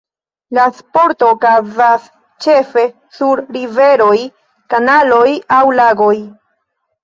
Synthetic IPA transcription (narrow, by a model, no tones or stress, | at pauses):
laspo̞ɾto̞kazas | t͡ʃe̞fe̞ | suɾɾive̞ɾo̞j | kanalojawlaɡoj